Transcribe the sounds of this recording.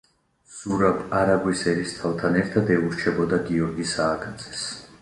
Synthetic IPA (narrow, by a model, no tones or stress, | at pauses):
z̥uɾabʰaɾaɡwisɛɾist̪ʰavt̪ʰanɛɾt̪ʰad̪ɛuɾt͡ʃʰɛbɔd̪aɡiɔɾɡisaːɡanzʰʼɛ̥s